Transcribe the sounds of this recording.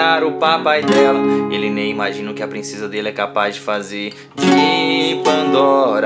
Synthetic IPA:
aɾʊpapajd̪ɛlɐelɪnẽj̃imaʒĩnɐʊkɪɐpɾĩsezɐd̪elɪɛkapazd͡ʒɪfazeɾ | d͡ʒipɐ̃nd̪ɔɾ

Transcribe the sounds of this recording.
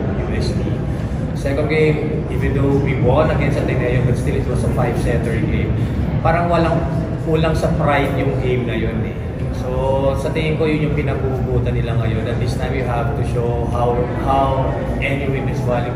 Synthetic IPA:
ɪvɛst̪i | sɛkonɡẽjm | ʔɪfjud̪uwibʊonɐɡɛnsɐt̪ɛnŋɐjonbɐt̪̚st̪ɪlɪt̪̚wɐsɐfajbsɛnt̪ɛɹiɡejmpaːɾɐŋwɐlaŋ | ʔuːlɐŋsɐpɾajd̪jʊŋɡejmnɐjonɛ̰ | sosɐt̪ejɪmkojʊnjʊŋpɪnɐɡuʔbuːt̪ɐnːɪlaŋɐjo̞nʔɐt̪̚list̪namnjʊɦavt̪ʊʃowhaw | haw | ʔɛniwemɛnswalɪ

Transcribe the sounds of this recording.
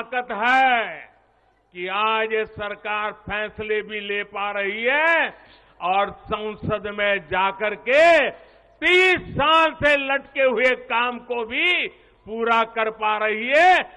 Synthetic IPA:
kət̪ɦɛː | kiaːd͡ʒesəɾkaːɾpʰɛːslebʱilepaɾəɦiɦɛ | ɔːɾsə̃wsəd̪mẽd͡ʒaːkəɾke | t̪iːsːaːlselɐʈkeɦʊekaːmkobʱi | puːɾakəɾpaɾəɦiɦɛː

